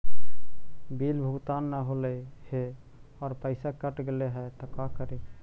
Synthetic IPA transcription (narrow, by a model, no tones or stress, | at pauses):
bilbʱuɡt̪anːaɦoləhe | ɔːɾpəɪsakəʈɡeleɦɛt̪ɔkakəɾe